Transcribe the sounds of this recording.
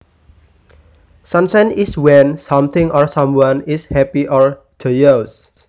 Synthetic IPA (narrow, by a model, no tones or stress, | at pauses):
sãnsãniswɛ̃nsãmt̪ʰɪ̃ŋɔɹsãmwãnishɛpiʔɔɹ | d͡ʒ̥ɔjəs